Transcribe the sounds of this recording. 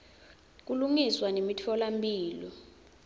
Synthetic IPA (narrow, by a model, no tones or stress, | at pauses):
k̬uluŋiswanemitʰɔlampʼiːlɔ